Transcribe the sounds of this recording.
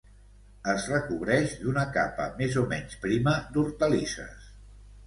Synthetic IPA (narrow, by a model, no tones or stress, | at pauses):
əzrəkuβɾɛʃd̪unəkapə̰mezomɛnspɾiməd̪uɾt̪əlisə̰s